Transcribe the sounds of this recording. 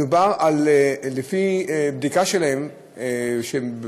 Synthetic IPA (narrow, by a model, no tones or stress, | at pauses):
ubaʁallefibd̪ikaʃelaem | eʃe